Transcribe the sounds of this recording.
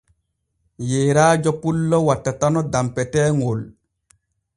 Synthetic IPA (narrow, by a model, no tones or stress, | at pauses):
jeːɾaːd͡ʒɔpulːɔwatːatanɔdampɛtɛːŋol